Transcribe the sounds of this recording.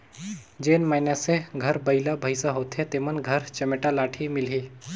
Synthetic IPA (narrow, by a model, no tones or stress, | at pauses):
d͡ʒeːnmanaseɡʱɐɾbəɪlabʱəɪsaɦoːt̪ʰẽt̪emənɡʱɐɾt͡ʃɐmeʈalaːʈʰimɪlɦiː